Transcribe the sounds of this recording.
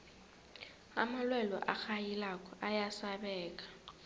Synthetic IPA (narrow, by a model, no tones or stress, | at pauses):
amalwɛlɔʔa̰xajilakʼɔʔajasaɓɛːk̬ʼḁ